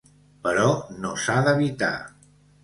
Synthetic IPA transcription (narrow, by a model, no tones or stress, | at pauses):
pəɾɔnosaðəβit̪a̰